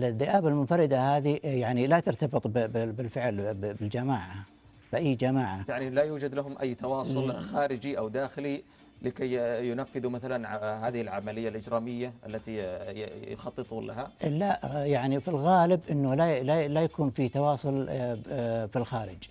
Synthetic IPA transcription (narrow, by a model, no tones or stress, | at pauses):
lɪðːɪʔaːbalmʊnfɑɾɪd̪ahaːðijaʕnilat̪ɪɾt̪ɑbɨt̪ˤbbɪlfɪʕlbbɪld͡ʒamaːʕa | b̥ɪʔajːd͡ʒamaːʕajaʕnilajuːd͡ʒad̪laɦʊmʔa̰jːt̪ɑwɑːsˤʊlxaːɾɪd͡ʒiʔawd̪aːxɪli | lɪkajjʊnafːɪðumaθalanʕhaːðɪhɪlʕamalɪjːalʔɪd͡ʒɾaːmɪjːaʔa̰lːat̪i | jʊxɑt̪ˤːɨt̪ˤuːnla̰ɦalaʔjaʕnifilɣaːlɪbʔɪnːʊlalalajakuːnfiːt̪ɑwɑːsˤʊl | filxaːɾɪd͡ʒ